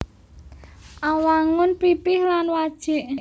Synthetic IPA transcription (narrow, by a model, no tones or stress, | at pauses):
ʔawaŋʊnpipɪhlanwad̥ʒ̥ɪ̤ʔ